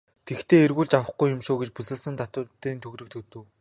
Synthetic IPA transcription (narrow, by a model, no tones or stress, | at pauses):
t̪ʰekt̪ʰeːerɣuːɮt͡ɕawə̆χɡujʊmʃoːɡet͡ɕpusɘ̆ɮsɘ̆nt̪ʰat̪ʊt̪iːnt̪ʰɵɣrɵ̆k̚t̪ʰɵt̪ɵ̆w